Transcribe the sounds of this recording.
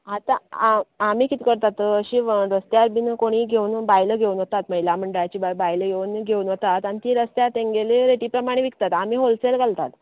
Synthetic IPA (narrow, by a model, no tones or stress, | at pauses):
ɦat̪ãamiːkit̪ikəɾt̪at̪əɕiʋɾəst̪jaɾbinkoɽ̃iːɡʱeuːnbajləɡʱeuːnʋət̪at̪məilam̤əɳɖjat͡ɕiːbbajləɡʱeuːnɡʱeuːnʋət̪at̪añit̪iɾəst̪jat̪eŋɡeleɾeʈiːpɾəmaɽ̃eʋikt̪at̪amiːɦolselɡalt̪at̪